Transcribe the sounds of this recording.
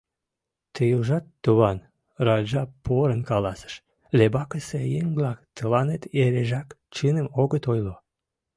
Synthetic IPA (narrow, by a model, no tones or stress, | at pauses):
t̪ejuʒɑt̪ːuβɑn | rɑd͡ʒɑpoɾənkɑlɑsə̥ʃ | lebɑkəsejeŋblɑkt̪əlɑnet̪eɾeʒɑk | t͡ʃɨnəmoɣət̪ojlo